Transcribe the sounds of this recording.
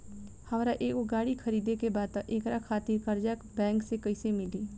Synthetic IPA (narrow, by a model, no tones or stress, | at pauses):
hɐmɾaʔeːkoɡaːɽikʰəɾiːd̪ekebaːd̪̚t̪aʔeːkɾakʰaːt̪iɾkɐɾd͡ʒɛkbɛ̃ːŋksekəɪsemɪli